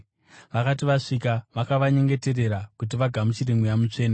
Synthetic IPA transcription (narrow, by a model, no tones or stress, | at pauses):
ʋakatiʋaʂikaʋakaʋaɲe̞ŋɡe̞te̞re̞ɾakut̬iʋaɡʱamut͡ʃireŋɡujamut͡ʂe̞ːna